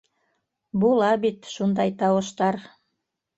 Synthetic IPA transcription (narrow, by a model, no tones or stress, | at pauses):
bulˠɑbit̪ʃund̪ɑjt̪ɑwɤ̆ʃt̪ɑɾ